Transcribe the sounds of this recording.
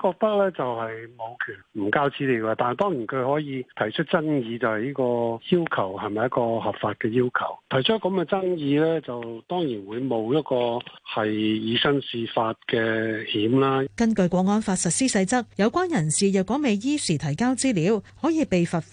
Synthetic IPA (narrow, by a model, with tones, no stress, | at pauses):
kɔː˧k̚t̪ɐ˥k̚lɛː˥t͡sɐ˨whɐ˨jmo˨˧wkʰyː˨˩nm̩˨˩kaː˥wt͡siː˨˥liː˨˧wkɛ˧t̪aː˨n˨jt̪ɔː˥ŋjiː˨˩nkʰɵ˨˧ɥhɔː˨˥jiː˧t̪ʰɐ˨˩jt͡ʃʰɵ˥t̚t͡sɐ˥njiː˧t͡sɐ˨whɐ˨˩jiː˥kɔː˧jiː˥wkʰɐ˨˩whɐ˨jmɐ˨jɐ˥kɔː˧ɦɐ˨˩pfaː˧t̚kɛː˧jiː˥wkʰɐ˨˩wt̪ʰɐ˨˩jt͡ʃʰɔː˥kɐ˨˧mkɛː˧t͡sɐ˥ŋjiː˧lɛː˥t͡sɐ˨wt̪ɔː˥ŋjiː˨˩nwuː˨˧jmo˨˧wjɐ˥t̚kɔː˧hɐ˨jjiː˨˧sɐ˥nsiː˧faː˧t̚kɛː˧hiː˨˥mlaː˥kɐ˥nkɵ˧ɥkʷɔː˨˥ŋːɔː˥nfaː˧t̚sɐ˨t̚siː˥sɐ˧jt͡sɐ˥k̚jɐ˨˧wkʷwaː˥njɐ˨˩nsiː˨jɐ˨wkɔː˨˥me˨jjiː˥siː˨˩t̪ʰɐ˨˩jkaː˥wt͡siː˥liː˨˧˥whɔː˨˥jiː˨˧pe˨jfɐ˨t̚f